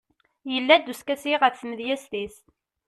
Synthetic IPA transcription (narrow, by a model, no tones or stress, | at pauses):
jəlːæd̪uskæsiʁəθːməðjæst̪is